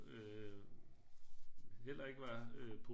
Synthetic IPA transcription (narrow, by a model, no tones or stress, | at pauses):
ø | ɦel̰ɐe̝ɡ̥əʋɑ̈øpʰo